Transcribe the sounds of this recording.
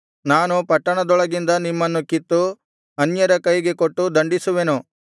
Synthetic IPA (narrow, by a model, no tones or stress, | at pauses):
naːnupɐʈːɐɳɐd̪ɔɭɐɡind̪ɐnimːɐnːukit̪ːu | ɐnjɐɾɐkɐjɡe̞koʈːud̪ɐɳɖisuʋe̞nu